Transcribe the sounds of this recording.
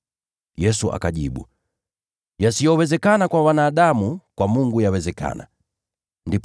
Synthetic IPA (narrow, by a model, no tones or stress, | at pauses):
jɛsuʔa̰kaɟiɓṵ | jasijɔwɛzɛkanakwawanaːɗamukwamuŋɡujawɛzɛka̰na̰ | ndip